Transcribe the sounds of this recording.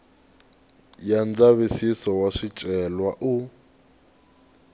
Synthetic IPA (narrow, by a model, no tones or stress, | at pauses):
jand͡zaβisisɔwaʂit͡ʃʼɛlwaʔu